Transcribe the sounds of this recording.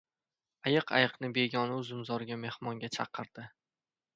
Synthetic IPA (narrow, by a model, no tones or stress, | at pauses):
ajɨqʰa̰jɨqnɪbe̞ɡʲɒnʊzʊmzɒɾɡʲame̞hmɒŋɡʲat͡ʃʰɑqʰɨɾd̪̥ɪ